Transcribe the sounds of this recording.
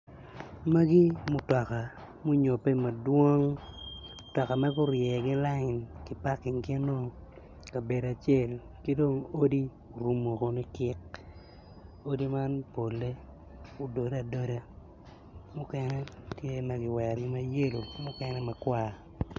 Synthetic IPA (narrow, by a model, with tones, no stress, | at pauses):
ma˦ɡi˦mʊ˨tɔ˨ka˨ | mʊ˦ɲo˨pe˦ma˨dwo˦ŋ | tɔ˨ka˨ma˦kʊ˦ɾjɛ˨ɡɪ˦la˦ŋɪ˨nkɪ˦pa˦kːɪ˨ŋkɪ˦no˦ | ka˨be˨da˨t͡ʃje˦˨l | kɪ˦do˦ŋo˦di˦ | o˨ɾu˨mo˨ko˨ni˦kɪ˦k | o˦di˦ma˦npo˨lːe˦ | o˨do˨da˨do˦ɾa˦ | mʊ˦kɛ˦nɛ˦tje˦ma˨ɡɪ˨wɛ˨ɾɡɪ˦ma˦je˦lo˨mʊ˦kɛ˦nɛ˦ma˨kwa˦˨